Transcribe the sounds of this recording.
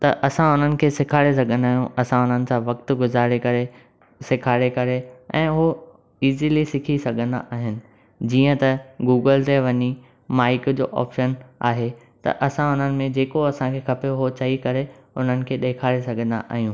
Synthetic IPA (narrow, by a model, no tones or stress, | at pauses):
t̪ɐʔɐsãʊn̤ənɪ̆kʰeːsɪkʰaːɽes̬ɐɡʱə̃nd̪aːɦijũɐsãʊn̤ənɪ̆sãʋɐk̚t̪ɡʊzaːɽekɐɾe | sɪkʰaːɽekɐɾeɛ̰̃ːʊɦo | iːzilisɪkʰisɐɡʱə̃nd̪a̰ʔaːɦɪnɪ̆ | d͡ʑiːə̃t̪ɐɡuːɡəlt̪eʋɐɲi | maːɪkd͡ʑo̰ːʔɔ̰ːpʃəna̰ːɦe | t̪ɐ̰ʔɐsãʊn̤ənɪ̆mẽd͡ʑeːkoɐsãkʰeːxʰɐpeɦot͡ɕɐɦikɐɾeʊn̤ənɪ̆kʰeːɗeːkʰaːɽesɐɡʱə̃nd̪a̰ʔa̰ːɦijũː